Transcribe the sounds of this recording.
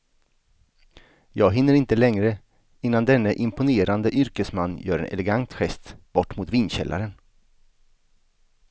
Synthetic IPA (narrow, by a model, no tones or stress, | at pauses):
jɑːɡɦɪnːəɾɪnt̪əlɛŋɾə | ɪnːand̪ɛnːəʔɪmpʊneːɾand̪əʔʏɾkəsmanːjœːɾɛ̰nʔɛ̰lɛɡant̪ɧɛst̪b̥ɔʈːmʊt̪viːnɕɛ̰lʔa̰ɾən